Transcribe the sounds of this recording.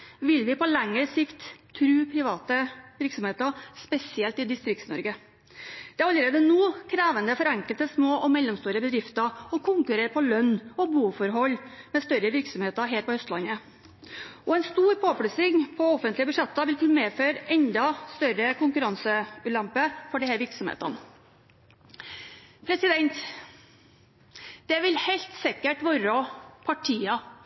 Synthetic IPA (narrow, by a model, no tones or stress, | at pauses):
ʋɪlʋɪpɔlæŋːəɾsɪkt̪ʰːɾʉːpʰɾɪʋɑːt̪əʋɪɾksɔmheːt̪əspɛsɪɛlt̪ɪd̪ɪst̪ɾɪkt̪snɔ̰ɾɡə | d̪̥ɛæɾɑlːəɾeːd̪ənuːkʰɾæːʋənd̪əfɔɾɛŋkəlt̪əsmoːʔɔmɛlːɔmst̪uːɾəbəd̪ɾɪft̪əɔkʰʊŋkʉɾeːɾpʰɔlœnːɔbuːfɔɾɦɔlːmɛst̪œɾəʋɪɾksɔmheːt̪əɾɦeːɾpɔhœst̪lɑnːə | ɔɛnst̪uːɾpʰoːpɽʉsɪŋpʰɔɔfːənt̪lɪəbʉʂɛt̪ːəʋɪlk̪ːmeːføːɾɛnd̪ɑst̪œɾəkʊŋkʉɾɑnsəʉːlæmpəfɔɖɪhæːɾʋɪɾksɔmhḛːt̪ɑ̰n | pʰɾɛsɪd̪ɛnt̪ | d̪̥ɛʋɪlhæɪlt̪sɪkəʈʋoːɾɔpʰɑʈʰiːɑ